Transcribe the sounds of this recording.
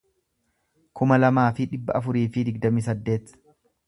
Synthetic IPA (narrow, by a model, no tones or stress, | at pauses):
kʊmɐlɐmaːfɪᶑɪbːɐʔɐfʊɾiːfɪd̪ɪɡ̚d̪ɐmiːs̬ɐd̪ːe̞ːt̪